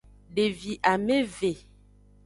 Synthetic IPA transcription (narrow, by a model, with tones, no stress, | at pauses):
ɖe˨vi˨ʔa˨me˦ve˨